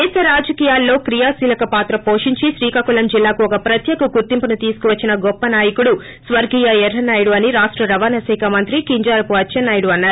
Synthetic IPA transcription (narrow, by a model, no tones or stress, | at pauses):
eːsɐɾaːd͡ʒɐkiːjaːlːo̞ːkɾijaːsiːlɐkɐpaːt̪ɾɐpo̞ːʂiɲt͡ʃiʃɾiːkakulɐmd͡ʒilːaːkuɔkɐpɾɐt̪jɐːɡuɡuɾt̪impɐnut̪iːsu̥kuʋɐt͡ʃːinɐɡɔpːɐnaːjɐkuɽu | sʋɐɾɡijɐɛɾɦɐnaːjɐɽuɐniɾaːʂʈɾɐɾɐʋaːnɐsɛːkɐmɐnt̪ɾikiɲd͡ʒaːɾɐpuɐtːt͡ʃʰɐnːaːjɐɽuɐnːaːɾu